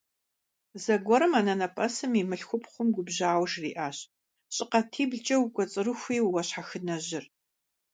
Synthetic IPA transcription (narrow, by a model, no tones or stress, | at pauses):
zɐɡʷɔɾɨmaːnɐnɐpʼɐsɨmimɨɬxʷʊpχʷʊmɡʷʊbʑaːwʂrḭːʔaːɕ | ɕʼɪqɐtʰiːbɮt͡ʃʼɐwkʷʼɔt͡sʼɨrɨxʷiːwwɐɕħaxɨnɐʑɪr